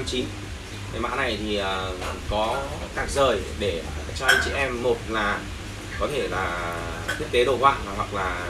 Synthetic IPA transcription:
mt͡ɕi˨˦n | kə˨˦jma̰ː˧˥na˨˩jt̪ʰi˨˩ʔəː˨˩kɔ˨˦k̪aː˨˧˩k̚zəː˨˩jɗe˧˩t͡ɕɔ˧ʔə˧jŋt͡ɕḭ˧ʔɛ˧mːo˨˩t̚laː˨˩ | kɔ˨˦t̪ʰe˧˩laː˨˩ | t̪ʰi˦˥ək̚t̪e˨˦ɗo˨˧˩hwa̰ː˧˨vaː˨˩ɦwa˨˩wk̚laː˨˩

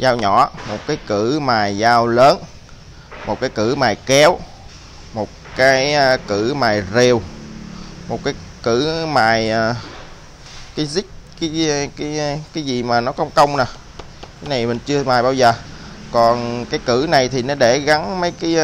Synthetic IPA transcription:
zaː˧wɲɔ˧˩mo˨˩t̚kaː˨˦jkɨ˧˩maː˨˩jzaː˧wləː˨˦n | mo˨˩kaː˨˦jkɨ˧˩maː˨˩jkɛ˨˦w | mo˨˩t̚kaː˨˦jkɨ˧˩maː˨˩jzi˨˩əw | mo˨˩t̚kaː˨˦j | kɨ˧˩maː˨˩jː | kaː˨˦jzï˦˥k̚kaː˨˦jkaː˨˦jkaː˨˦jzi˨˩maː˨˩nɔ˨˦kə˧wŋ͡mkə˧wŋ͡mna˨˩ | kaː˨˦jna˨˩jmï˨˩ŋ̟t͡ɕɨ˧əmaː˨˩jɓaː˧wzəː˨˩kɔ˨˩nkaː˨˦jkɨ̰˧˩na˨˩jt̪ʰi˨˩nɔ˨˦ɗe˧˩ɣa˨˦nmə˨˦jkaː˨˦j

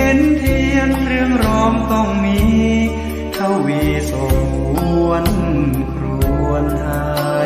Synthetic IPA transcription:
e˧˦nt̪ʰi˧ənt̪ʰɾɯ˧əŋɾɔː˧˥mt̪ɔ˧˩ŋmiː˧˥ | t̪ʰa˧˩wwiː˧˩so˨˩ŋku˧˥˧ən˧˩nkʰɾu˧˩˧ənt̪ʰa˧

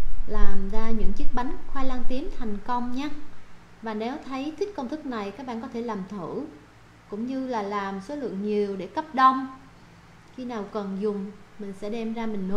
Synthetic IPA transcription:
laː˨˩mzaː˧ɲɨ̰˧˥ŋt͡ɕi˦˥k̚ɓa˨˦jŋxwaː˧jla˧ŋt̪i˨˦ənt̪ʰa˨˩jŋ̟kə˧wŋ͡mɲaː˨˦ | vaː˨˩nɛ˨˦wt̪ʰə˨˦jt̪ʰï˦˥kə˧wŋ͡mt̪ʰɨ˦˥k̚na˨˩jkaː˦˥k̚ɓa̰ː˧˨˩kɔ˨˦t̪ʰe˧˩laː˨˩mt̪ʰɨ˧˩ | kʊ̰˧˥ŋ͡mɲɨ˧laː˨˩laː˨˩mso˨˦lɨ̰˧˨əŋɲi˨˩əwɗe˧˩kə˦˥p̚ɗə˧wŋ͡m | xi˧naː˨˩wkə˨˩nzʊ˨˩ŋ͡mmï˨˩ŋ̟sɛ̰˧˥ɗɛ˧mzaː˧mï˨˩ŋ̟n˨˦

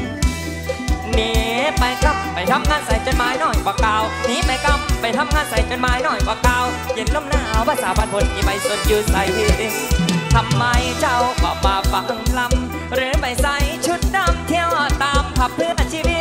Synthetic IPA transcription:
niː˨˦pa˨˧jka˧˩m̚ːa˨˩jt̪ʰa˧mŋaː˧˥nsa˨˦jt͡ɕo˧n̚maː˨˧˥jnɔː˧˩jkwaː˧˦kaː˧wniː˦˥pa˧˩jka˧˩m̚ːa˨˧˩jt̪ʰa˧mŋaː˧˨nsa˨˦jt͡ɕo˧nmaː˨˧˥jnɔː˧˩jkwaː˨˧˦kaː˧w | je˧˩nlɔ˧˥˩mnaː˧˩˨wpʰaː˧˩saː˨˦ba˧npʰo˨˧nmʰiː˧ma˧˩jso˨˩t̪̚juː˧˩sa˨˦ji˧˩˧t̪ʰa˧mːaː˧jt͡ɕa˧˩wkɔ̰ː˨˩maː˧fa˨˧˦ŋla˧˩m | ɾɯː˨˦ma˧˩jsa˨˦˥jt͡ɕʰu˧˥t̪̚daː˧˩mt̪ʰi˧əwt̪aː˨˧mkʰa˨˧˩p̚ʰːɯ˧˩˨na˧t͡ɕʰiː˧wi˧˩t̪̚

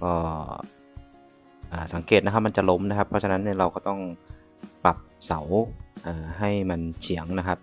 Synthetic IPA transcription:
kɔː˥˩ | ʔaː˨˩sa˩˦ŋkeː˨˩t̪̚na˦˥kʰp̚ma˧nt͡ɕa˨˩ʔlo˦˥mna˦˥kʰa˦˥pʰːɾɔ˦˥t͡ɕʰa˧na˦˥nːi˥˩ɾa˧wkɔː˥˩t̪ɔ˥˩ŋ | pa˨˩p̚sa˩˦wʔaː˨˩ɦa˥˩jma˧nt͡ɕʰi˩˦əŋna˦˥kʰa˦˥p̚

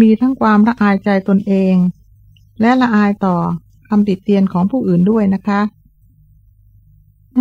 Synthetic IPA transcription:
miː˧t̪ʰa˥˩ŋkʰwaː˧mɾa˦˧˥ʔaː˧jt͡ɕa˧jt̪o˧nʔeː˧ŋ | lɛ˦˥ʔɾa˧ʔaː˧jt̪ɔː˨˩ | kʰa˧mt̪i˨˩t̪ːi˧ənkʰɔː˩˦ŋpʰuː˥˩ʔɯː˨˩ndu˥˩əjna˦˥kʰa˦˥ʔ

